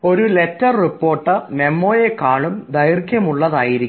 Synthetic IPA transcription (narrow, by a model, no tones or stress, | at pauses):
o̞ɾuletːɐrripːo̞ːrʈːɨme̞mːo̞ːjekaːɭumd̪ɐjrkʲjɐmuɭːɐðaːjiɾikː